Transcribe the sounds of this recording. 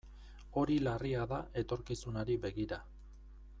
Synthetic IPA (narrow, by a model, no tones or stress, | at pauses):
o̞ɾilariaðaʔe̞t̪o̞ɾkisunaɾibe̞ɣiɾa